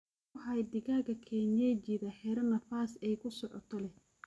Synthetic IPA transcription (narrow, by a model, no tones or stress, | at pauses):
ħajd̪ɪɣaːɣɐkʰɛːnjɛt͡ʃɪðɐħɛːɾɐnɐfaːsɛjkʰʊsɔʕɔ̰t̪ʰɔlɛ